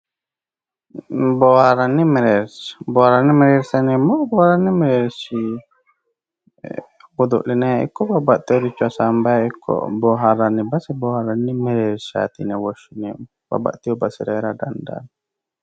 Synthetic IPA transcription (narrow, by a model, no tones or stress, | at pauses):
bohaɾanːimɛɾɛɾsbohaɾanːimɛɾiɾsanimɔbɔhaɾanːiməɾɛɾsi | wud̪ṵʔlinaḭkɔʔbabaʔt̪ioɾit͡ʃuasambajikʰɔ̰ʔboɦaɾanːibasiboɦaɾanːimɛɾɛɾsa̰t̪inewoʃunim | b̥a̰ba̰ʔt̪iobasiɾaɾadanda̰n